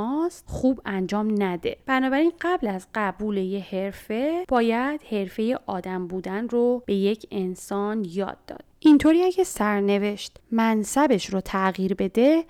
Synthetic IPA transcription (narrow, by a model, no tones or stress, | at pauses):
ɒsxuːbænd͡ʒɒːmnæd̪e̞b̥ænɒːbæɾinɢæblæzɢæbuːleje̞he̞ɾfe̞b̥ɒːjæd̪̥he̞ɾfe̞je̞ʔɒːd̪æmbuːd̪ænrobe̞je̞cʰe̞nsɒːnjɒ̰ːd̪ːɒ̰ːd̪̥ʔint̪ʰoːɾiːæɟæsæɾne̞ve̞ʃt̪mænsæbe̞ʃɾot̪ʰæɣiːɾbe̞d̪e̞